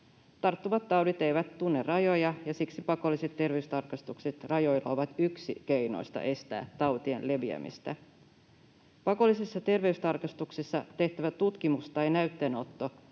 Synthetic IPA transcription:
t̪ɑrt̪ːuʋɑt̪ːɑwdit̪ejʋæt̪t̪unːerɑjo̞jɑjɑsiksipɑko̞lːiset̪ːe̞rʋeyst̪ɑrkɑst̪ukset̪rɑjo̞jlːˑɑ̰o̞ʋɑt̪yksik̟e̞jno̰ist̪ɑ̰ʔe̞st̪æ̰ːt̪t̪ːɑwt̪iḛnle̞ʋiæ̰mḭst̪æ | pɑko̞lːisisːɑt̪e̞rʋe̞yst̪ɑrkɑst̪uksisːɑt̪e̞ht̪æʋætt̪ut̪kimust̪ɑjnæyt̪ːeːno̞t̪ːo

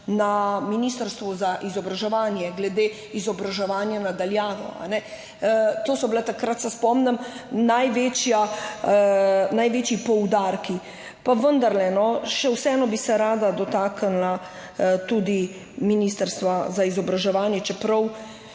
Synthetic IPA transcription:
naminist̪əɾst̪ʋɔzaʔizɔbɾaʒɛʋaːnjɛɡlɛd̪e | izɔbɾaʒɛʋaːnjanad̪aljaːʋɔ̰a̰nɛ | t̪oːsɔbilɛt̪akɾat̪sɛspɔmnɛmnajʋet͡ʃja | najʋeːt͡ʃipɔwd̪aːɾki | paʋənd̪aɾlɛnɔʃɛwsɛɛːnɔbisɛɾaːd̪ad̪ɔt̪aːkənla | t̪uːd̪i | minist̪əɾst̪ʋazaizɔbɾaʒɛʋaːnjɛt͡ʃɛpɾɐw

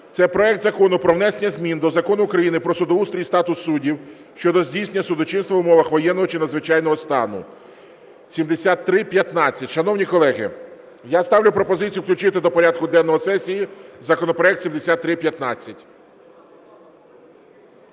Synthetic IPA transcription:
t̪sɛpɾɔɛkt̪zɐkɔnʊpɾɔʋnɛsenʲːɐzʲmʲind̪ɔzɐkɔnʊːkɾɐjinɪpɾɔsʊd̪ɔust̪ɾʲijst̪ɑt̪ʊsːudʲiw | ʃt͡ʃɔd̪ɔzʲdʲijsenʲːɐsʊd̪ɔt͡ʃɪnst̪ʋɐʊmɔʋɐxʋɔjɛnːɔɦɔt͡ʃɪnɐd̪zʋɪt͡ʃɑjnɔɦɔst̪ɑ̰nʊ̰ | sʲimd̪esʲat̪ːɾɪpʲjɐt̪nɑt͡sʲːɐtʲʃɐnɔwnʲikɔlˠɛɦɪ̰ | jast̪ɑwlʲʊpɾɔpɔzɪt͡sʲijʊwklʲʊt͡ʃɪt̪ɪd̪ɔpɔɾʲad̪̚kʊd̪ɛnːɔɦɔsɛsʲijizɐkɔnɔpɾɔɛkt̪sʲimd̪esʲat̪ːɾɪpʲjɐt̪nɑt͡sʲːɐtʲ

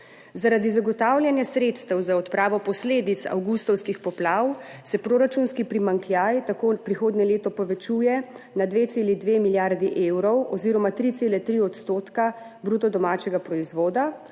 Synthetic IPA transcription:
zaɾad̪izaɡɔt̪aːwlʲjanjasɾeːt̪st̪ɛwzaɔt̪pɾʔaːʋɔpɔsleːd̪it̪sa̰wɡust̪ɔwskixpɔplawsɛpɾoːɾat͡ʃunskipɾimaŋkljajt̪akoːpɾixoːd̪nɛleːt̪ɔpɔʋɛt͡ʃuːjɛ | nad̪ʋet̪seːlid̪ʋemiljaɾd̪iʔewɾɔwɔziːɾɔmat̪ɾit̪seːlɛt̪ɾiɔt̪st̪oːt̪ka | bɾuːt̪ɔd̪ɔmaːt͡ʃɛɡapɾɔizʋoːd̪a

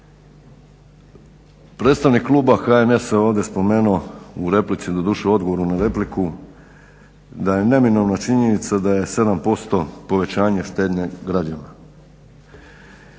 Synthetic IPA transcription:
pɾe̞ːt̪st̪aʋnikːlˠuːbaxaene̞seo̞ːʋd̪ʲje̞spo̞me̞ːnuouɾe̞plit̪sid̪od̪uʃeo̞d̪ɡo̞ʋo̞ɾunaɾe̞pliku | d̪aje̞ne̞mino̞ʋnat͡ʃiɲe̞nit̪sad̪aje̞se̞d̪ampo̞st̪o̞po̞ʋe̞t͡ɕaːɲeʃt̪e̞ːd̪ɲeɡɾad͡ʑana

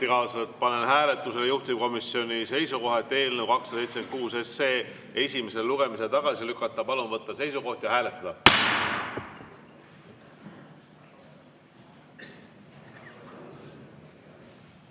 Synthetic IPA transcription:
ikɑːsɑet̪̚pɑne̞nɦæːle̞t̪ːˑuse̞lejuht̪imko̞misːjo̞nise̞jsuko̞ɦet̪ːe̞ːlnewkɑksɑsejt̪seenkuːse̞sːe̞ː | e̞sʲime̞selluɡ̥e̞mise̞t̪ɑɡ̥ɑsilykːˑɑt̪ːˑɑpɑlunvɤt̪ˑːɑse̞jsuko̞ht̪jɑɦæːle̞t̪ːˑɑd̪ɑ

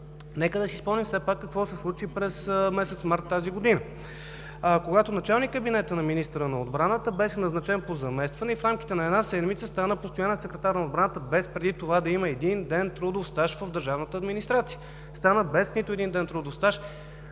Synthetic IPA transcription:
nɛkəd̪ɐsispɔmnimfsɛpakːɐkvɔsɛslˠut͡ʃipɾɛsmɛsɛt̪smaɾt̪ːaziɡod̪inə | koɡat̪onɐt͡ʃalˠnikkːəbinɛt̪ənɐminist̪əɾənɐod̪bɾanət̪əbɛʃɛnɐznɐt͡ʃɛnpozɐmɛst̪vɐnɛifɾamkʲi̥t̪ɛnɐɛd̪nasɛd̪mit̪səst̪anəpost̪ojanət̪sɛkɾɛt̪aɾnɐod̪bɾanət̪əbɛspɾɛd̪it̪ovad̪ɐiməɛd̪ind̪ɛnt̪ɾud̪ofst̪aʃvəvd̪əɾʒavnət̪əːd̪minist̪ɾat̪sijə | st̪anəbɛsnit̪ʊɛd̪ind̪ɛnt̪ɾud̪ofst̪aʃ

